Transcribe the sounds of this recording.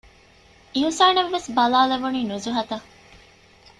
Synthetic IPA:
iɦusaːneʋːesbɐlaːleʋuniːnuzuɦɐt̪ɐ

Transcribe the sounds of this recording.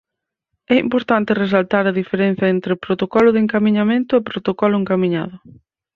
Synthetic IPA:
ɛḭmpoɾt̪ant̪ɪres̬alt̪aɾɐðifeɾen̟θjɐent̪ɾɪpɾot̪okɔlʊðɪeŋkamiɲamẽnt̪ʊepɾot̪okɔlʊeŋkamĩɲa̰ðʊ

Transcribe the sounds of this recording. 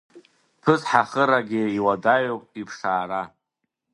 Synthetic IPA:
pʰɨzħaχəɾaɡʲɪiwadajowpʼipʰʂaːɾa

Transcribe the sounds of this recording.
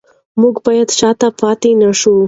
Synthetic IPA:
muɡbɑjad̪t͡ʃɑt̪apɑt̪enəʂu

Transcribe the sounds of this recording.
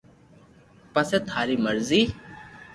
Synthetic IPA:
pəseːt̪ʰhaːɾiːməɾziː

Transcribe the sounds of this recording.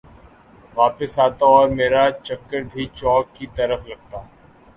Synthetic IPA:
ʋaːpəsaːt̪aɔːɾmeːɾat͡ʃɐkːəɾbʱit͡ʃɔːkːit̪ɐɾəflɐɡ̚t̪aː

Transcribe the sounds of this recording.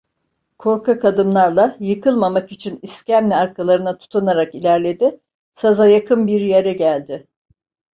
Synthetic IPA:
kʰo̞ɾkʰakʰad̪ɯmlˠaɾlˠajɯkʰɯlˠmamakit͡ʃʰiniscæmlʲiaɾkʰalˠaɾɯnat̪ʰu̥t̪ʰanaɾakilʲæɾlʲe̞d̪ɪ | sazajakʰɯnbiɾjeɾɛɟælʲd̪ɪ

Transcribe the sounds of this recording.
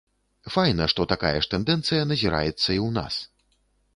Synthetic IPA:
fajnɐʂt̪ɔt̪aka̰jɐ̰ʂt̪ɛnd̪ɛnt̪sɨjɐnɐzʲiɾʔa̰jɛt̪sːɐiwna̰s

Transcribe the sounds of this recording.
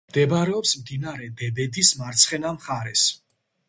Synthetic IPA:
md̪̥ɛbɾɛɔpsmd̪inaɾɛd̪ɛbɛd̪ismaɾt̪sʰχɛnamχaɾɛs

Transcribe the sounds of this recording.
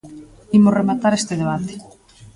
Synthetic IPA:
imʊremat̪aɾest̪ɪðeβ̞at̪e̥

